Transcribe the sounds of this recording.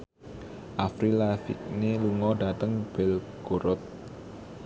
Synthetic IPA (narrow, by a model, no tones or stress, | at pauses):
ʔafɾilafḭk̚neluŋɔɖat̪əŋb̥ɛlɡ̥oɾʊt̪̚